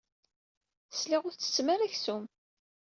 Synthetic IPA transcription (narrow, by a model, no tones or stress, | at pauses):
slɪʁʊɾt͡sːə̥t͡sːmaɾæçsum